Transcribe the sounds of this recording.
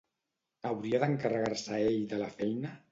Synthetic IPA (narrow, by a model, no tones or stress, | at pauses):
əwɾiaðəŋkərəɣarsəeʎd̪əlafɛjnə